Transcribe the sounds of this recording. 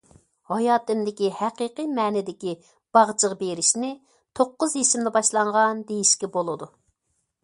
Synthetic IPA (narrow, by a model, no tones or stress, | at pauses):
hɑjɑːt̪ɪmd̪ɪkʲihæqiqɨjmɛːnɪd̪ɪkʲi | b̥ɑʁt͡ʃʰəʁbeɾɪʃnɪ | t̪ʰoqːʊzɦeʃɪmd̪ɛbɑʃlˠɑɴʁɑnd̪ejiʃkʲɛbolˠɨd̪u